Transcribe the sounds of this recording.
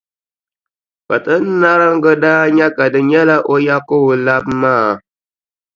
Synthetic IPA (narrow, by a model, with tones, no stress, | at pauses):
ka˨tɨ˦n˦na˦ɾɨ˦ŋ̩˦ɡə˦daː˦ɲɛ˦ka˨dɨ˨ɲɛ˦la˦ʔo˦ja˦ko˦bla˦bmaː˦˨